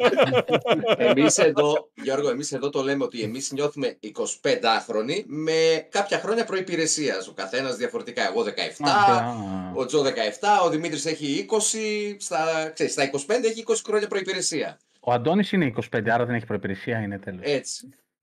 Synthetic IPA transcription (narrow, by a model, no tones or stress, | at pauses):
emise̞ðo̞ʝo̞ɾɣoe̞mise̞ðo̞t̪o̞le̞me̞o̞t̪ie̞mizɲo̞θume̞iko̞si̥pe̞nd̪ɐxɾo̞nime̞kɐpçɐxɾo̞ɲɐpɾo̞ipiɾe̞siɐ̰so̞kɐθe̞nɐzðiɐfo̞ɾe̞t̪ikɐe̞ɣo̞ːðe̞kɐ̰e̞̰ft̪ɐ | o̞d͡zoðe̞kɐe̞ft̪ɐo̞ðimit̪ɾise̞çiiko̞sist̪ɐkseɾist̪ɐiko̞si̥pe̞nd̪e̞eçiiko̞si̥xɾo̞ɲɐpɾo̞ipiɾe̞siɐ̰ | oɐnd̪o̞nisineiːko̞si̥pend̪eɐɾɐðe̞neçi̥pɾo̞ipiɾesiɐinet̪eloe̞t͡si̥